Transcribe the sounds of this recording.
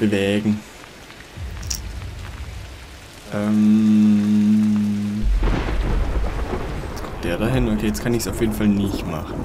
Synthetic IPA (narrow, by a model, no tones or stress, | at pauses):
b̥əvɛːɡŋ̩ | ʔɛm | jɛt͡skʰɔmd̥eːɐɾaɦɪnokʰeːjɛt͡skʰanɪçsaʊfjeːdn̩falnɪçtma̰χn̩